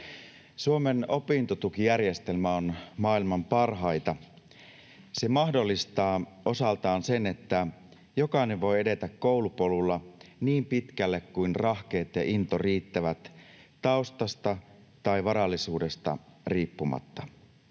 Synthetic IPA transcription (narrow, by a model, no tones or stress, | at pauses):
suome̞no̞pint̪o̞t̪ukijærje̞st̪e̞lmæo̞nmɑːilmɑmpɑrɦɑjt̪ɑ | se̞mɑxdo̞lːist̪ɑː | o̞sɑlt̪ɑːnse̞net̪ːæ | jo̞kɑineʋʋo̞je̞de̞t̪ækko̞ulupolulːɑniːmpit̪k̟ælːekkuinrɑhkeːt̪jɑ̰ʔint̪o̞riːt̪ːæʋæt̪tːɑust̪ɑst̪ɑ | t̪ɑiʋɑɾɑlːisuːde̞st̪ɑ̰riːpːumɑ̰t̪ːɑ̥